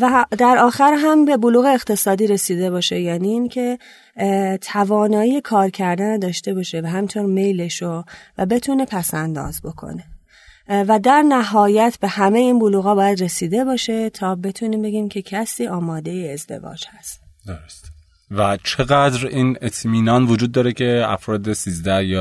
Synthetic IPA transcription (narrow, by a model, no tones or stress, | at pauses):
væd̪æɾɒːxæɾɦæmbe̞boluːɣe̞ːɣt̪ʰe̞sɒːd̪iːɾe̞siːd̪e̞βɒːʃe̞jæːniːiːncʰe̞ | t̪ʰævɒːnɒːjijekʰɒːɾcʰæɾd̪ænad̪ɒːʃt̪e̞bɒːʃevæɦæmint̪ʰo̞ɾme̞jle̞ʃovæ̰be̞t̪ʰune̞pʰæsænd̪ɒ̰ːzbo̞kʰo̰ne̞ | væd̪æɾnæɦɒːjæt̪ʰbe̞hæme̞jeiːnbuluːɣɒːbɒːjæd̪re̞siːd̪e̞bɒːʃe̞t̪ʰɒːbe̞t̪ʰuniːmbe̞ɡiːmcʰe̞cʰæsiːʔɒːmɒːd̪e̞jeːzd̪e̞̰vɒ̰ːd͡ʒhæst̪ | d̪̥oɾost̪e̥ | væt͡ʃʰeɣæd̪ɾiːnet̪ʰmiːnɒːnvod͡ʒuːd̪ːɒːɾecʰe̞æ̰fɾɒːd̪esiːzd̪æhjɒ